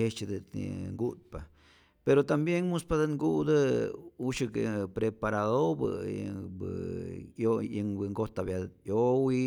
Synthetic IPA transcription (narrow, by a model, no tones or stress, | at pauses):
et͡ʃed̪əḭŋɡud̪̚pa | peɾot̪ambjeŋmuspad̪əŋɡud̪əuʃɨkḛpɾepaɾaðobə̰b̰ | ojəŋbəŋɡot̪abjajowi